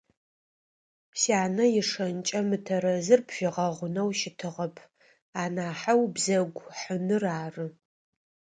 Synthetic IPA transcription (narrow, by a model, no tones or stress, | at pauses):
saːnɐjɪʂɐnt͡ʃʼɐmɨtʰɐɾɐzɨrpʰʃɪʁɐʁʷʊnɐwʃɪtʰɨʁɐpʰ | aːnaːħawbzɐɡʷħənɨraːrɨ